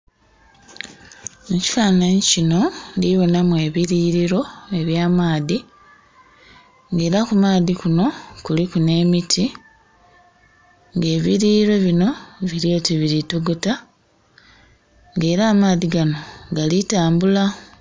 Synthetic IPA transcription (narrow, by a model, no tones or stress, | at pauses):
eci̥faːnaɲicino̞ndiβo̞namwe̞ːβiɾiɾiɾo̞e̞βjaːmaːði | ŋɡe̞ːɾakumaːðikuno̞kulikune̞mitʰi | ŋɡe̞ːβiɾiɾo̞βino̞βiɾio̞ːtiβiɾituɡuta | ŋɡe̞ːɾaːmaːðiɡano̞ɡalitaːmbula